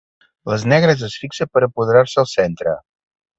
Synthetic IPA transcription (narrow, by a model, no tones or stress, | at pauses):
vɐznɛɡɾɛzəsfiksəpəɾɛpod̪ɾaɾsɛlˠsɛnt̪ɾə̰